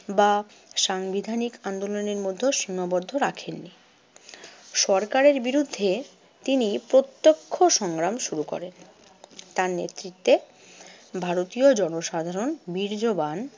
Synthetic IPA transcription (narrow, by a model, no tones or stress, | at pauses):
ba | ʃaŋbid̪ʱanikand̪oloneɾmod̪ʱːeʃinːobɔɾd̪ʱoɾakʰenːi | ʃɔɾkaɾeɾbiɾud̪ʱːe | t̪inipɾot̪ːokʰːoʃɔŋɡɾamʃuɾukɔ̰ɾen | t̪aɾnḛt̪ːɾit̪ːe | bʱaɾot̪iod͡ʑɔnoʃad̪ʱaɾonbiɾd͡ʑoban